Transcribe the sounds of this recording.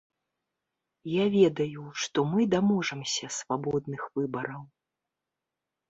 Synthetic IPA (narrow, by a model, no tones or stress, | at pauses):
javʲɛd̪ɐjuʂt̪ɔmɨd̪amɔʐɐmsʲɐsvabɔd̪nɨxv̥ɨbɐɾɐw